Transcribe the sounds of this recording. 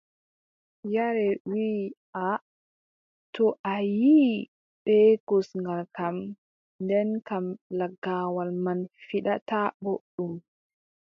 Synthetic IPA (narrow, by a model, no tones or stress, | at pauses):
jaɾɛwiʔa | tɔʔajiː | ɓɛkɔsŋɡalkam | ndɛnkamlaɡːawalmanfiɗataɓoɗːum